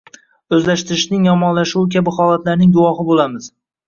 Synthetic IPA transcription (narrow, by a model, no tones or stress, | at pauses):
ɵzlaʃt̪ɪɾɪʃnɪŋjɒmɒnlaʃuwkʲabɪχɒːlˠat̪laɾnɪŋɡʊwɒχɪbolamɪz̥